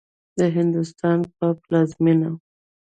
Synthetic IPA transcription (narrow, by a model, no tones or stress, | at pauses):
d̪əɦɪnd̪ʊst̪ɑnpəplɑzmina